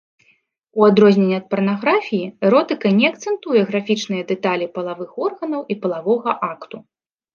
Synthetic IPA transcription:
uad̪ɾɔzʲnʲenʲːɛɐt̪̚pɐrnaɣɾafʲijiɛɾɔt̪ɨkɐnʲɛɐk̚t̪sɛnt̪ujɛɣɾafʲit͡ʂnɨjɐd̪ɛt̪alʲipɐlˠavɨxɔrɣɐnɐwʔipɐlˠavɔɣɐʔakt̪u

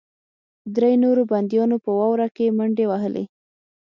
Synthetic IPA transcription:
d̪ɾejnoɾoband̪jɑnopəwɑwɾakeməɳɖewaɦəlʔḛ

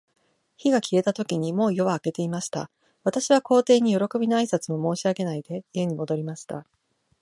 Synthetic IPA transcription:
çiɡakʲie̞t̪at̪o̞kʲiɲ̟imo̞ːjo̞βaːke̞t̪e̞imaɕi̥t̪a̰ | β̞at̪aɕiβ̞ako̞ːt̪e̞ːɲ̟ijo̞ɾo̞ko̞bʲinoaisat͡sɨmo̞mo̞ːɕiaɡe̞naid̪e̞ie̞ɲ̟imo̞d̪o̞ɾʲimaɕi̥t̪a̰

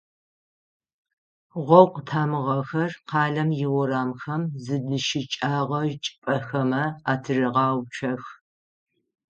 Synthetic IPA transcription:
ʁʷɔwqətʰaːmɨʁɐxɐrqʰɑːɮɐmjɪwʊɾaːmxɐmzɨdɨʃɪt͡ʃʼaːʁɐʒt͡ʃʼpʼɐxɐmɐaːtʰɨrɨʁɑːwt͡ʃʰɐx

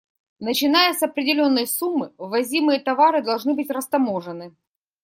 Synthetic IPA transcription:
nət͡ɕɪnajəsɐpɾʲɪdʲɪlʲo̞nːəjsumːɨvɐzʲimɨjət̪ɐvaɾɨd̪ɐlˠʐnɨbɨtʲrəst̪ɐmoʐɨnɨ

